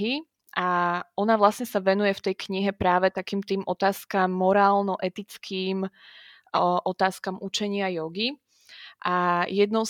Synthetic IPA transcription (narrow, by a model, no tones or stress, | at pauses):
ɦi | ʔaɔnaʋlasɲɛsaʋɛnujɛft̪ɛjkɲiɦɛpɾaːʋɛt̪akiːmt̪iːmʔɔt̪aːskamːɔɾaːlnɔʔɛt̪it͡skʰiːm | ʔɔt̪aːskamʔut͡ʃɛɲɪajɔɡi | ʔajɛd̪nɔʊ